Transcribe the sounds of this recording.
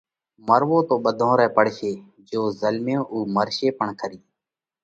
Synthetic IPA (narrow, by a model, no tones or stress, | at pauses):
məɾʋõːt̪õːɓəd̪ʱõːɾɛːpəɽ̤ʃeː | d͡ʒoːzəlmjõːʔuːməɾʃeːpəɳkʰəɾiː